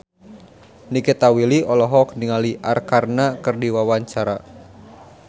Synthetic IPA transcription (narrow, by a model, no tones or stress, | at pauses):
nikɛt̪awiliʔɔlɔɦɔk̚niŋaliʔarkarnakɨrdiwawaɲt͡ʃaɾa